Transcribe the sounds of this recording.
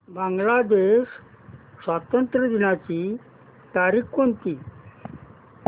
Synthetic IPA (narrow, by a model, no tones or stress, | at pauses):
baŋɡlad̪eɕ | sʋat̪ənt̪ɾəd̪inat͡ɕi | t̪aɾikkont̪iː